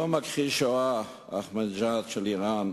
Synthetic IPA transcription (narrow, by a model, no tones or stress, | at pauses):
omakχilʃoa | a̰χmand͡ʒat̪ʃeliʁan